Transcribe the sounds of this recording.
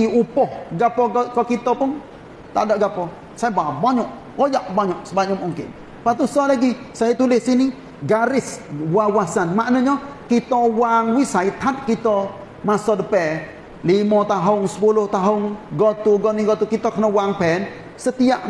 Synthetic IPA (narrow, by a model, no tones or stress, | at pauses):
iupɔhɡapɔkɔkit̪ɔpʊn | t̪a̰daʔɡapɔ | sajababaɲɔʔ | ɔjaʔbaɲɔʔsəbaɲɔmuŋkɪ̰n | pat̪usɔlaɡi | sajat̪ulɪsini | ɡaɾɪswawasanmaʔnəɲɔkit̪ɔwaŋwisait̪ʰad̪̚kit̪ɔ | masɔdəpɛ | limɔt̪aɦʊŋsə̥pulʊht̪aɦʊŋɡɔt̪uɡɔnɪŋɡɔt̪ukit̪ɔkənɔwaŋpɛn | sət̪iaʔ